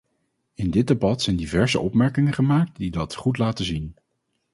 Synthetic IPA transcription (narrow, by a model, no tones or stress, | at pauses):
ɪndɪd̚debɑtsɛjndivɛɹzəʔɔpmɛɹkɪŋəχəmaːk̚tdidɑtχutlaːtəzin